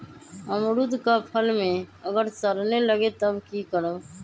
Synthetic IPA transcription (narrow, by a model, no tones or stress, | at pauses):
əmɾud̪kapʰəlmẽəɡəɾsəɾneləɡet̪əbkikəɾəb